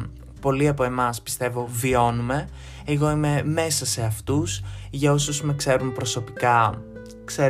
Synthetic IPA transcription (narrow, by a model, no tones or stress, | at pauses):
po̞liɐpo̞e̞mɐspi̥st̪e̞vo̞vio̞nume̞ | eɣo̞ime̞me̞sɐse̞ɐft̪usʝɐo̞susmekse̞ɾumpɾo̞so̞pikɐ | kse